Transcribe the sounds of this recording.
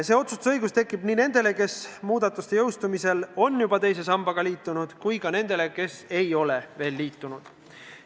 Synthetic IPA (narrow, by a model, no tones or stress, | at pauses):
se̞ːo̞t̪sust̪u̥sɤjɡ̥ust̪e̞kːˑib̥niːne̞nd̪̥e̞le̞ke̞smuːd̪ɑt̪ːˑust̪ejɤwst̪umise̞lo̞njubɑt̪e̞js̬e̞sɑmbɑɡ̥ɑliːt̪ːˑunud̪̥kujɡɑne̞nd̪̥e̞le̞ke̞se̞jo̞le̞ve̞ːlːiːt̪ːˑunud̪̥